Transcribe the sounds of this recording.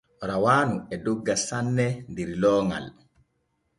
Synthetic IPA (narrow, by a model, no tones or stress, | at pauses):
ɾawaːnuɛdɔɡːasanːɛndiɾlɔːŋa̰l